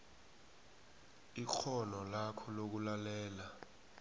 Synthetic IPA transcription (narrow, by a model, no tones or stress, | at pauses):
ik͡xʰɔnɔlakʰɔlok̬ulalɛːla